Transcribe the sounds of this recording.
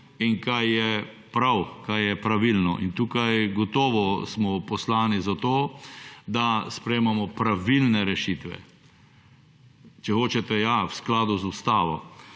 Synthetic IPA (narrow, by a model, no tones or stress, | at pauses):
iŋkajːɛ | pɾawkajjɛpɾaʋilnɔʔḭnt̪uːkajɡɔt̪ɔːʋɔsmɔpɔslaːnizat̪oːd̪aspɾɛjeːmamɔpɾaʋilnɛɾɛʃit̪ʋɛ̰ | t͡ʃɛxoːt͡ʃɛt̪ɛjawsklaːd̪ʊzust̪aːʋɔ̰